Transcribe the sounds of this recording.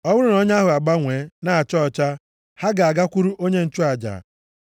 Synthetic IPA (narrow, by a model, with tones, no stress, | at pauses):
ɔ˦wʊ˦ɾʊ˦nɔ˦ɲ˦a˦ɦʊ˨a˨ɡ͡ba˦ŋʷeː˨˦na˨a˨t͡ʃɔ˦˨t͡ʃa˦ | ha˦ɡa˨a˨ɡa˦kʷu˦ɾu˦ʔo˦ɲe˦n̩˦t͡ʃʊ˦a˨d͡ʒa̰ː˨